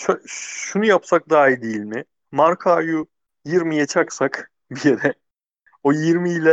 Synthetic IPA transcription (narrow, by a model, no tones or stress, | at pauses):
ʃoʃunujapsak̚d̪aːɦid̪ilʲmɪ | maɾkʰaːju | jiɾmijat͡ʃʰaksak | bijeɾɛ | ojiɾmiːlʲɛ